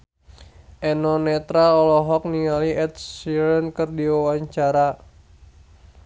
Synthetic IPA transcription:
ʔɛnɔnɛt̪ɾaɔlɔɦɔk̚niŋaliʔɛt̪̚siɾənkərdiwawaɲt͡ʃaɾa

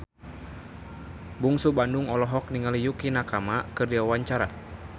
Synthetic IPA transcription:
buŋsubanduŋɔlɔɦɔk̚niŋalijukinakamakərdiawaɲt͡ʃaɾa

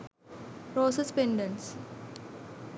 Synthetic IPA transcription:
pɾoːsespẽɳɖə̃ns

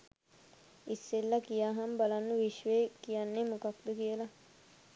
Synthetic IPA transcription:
isːelːakijaːɦambalanːəʋiʃʋeːkijanːemukak̚d̪ukijəla

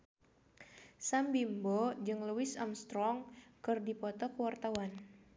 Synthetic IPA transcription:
sambimbɔd͡ʒɨŋluwɪsamst̪ɾɔŋkɨrdipɔt̪ɔkəwart̪awan

